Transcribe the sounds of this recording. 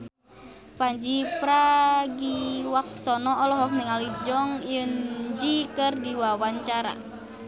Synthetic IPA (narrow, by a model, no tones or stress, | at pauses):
paɲd͡ʒipɾaɡiwak̚sɔnɔːlɔɦɔk̚niŋalid͡ʒɔŋjənd͡ʒikɨrdiwawaɲt͡ʃaɾa̰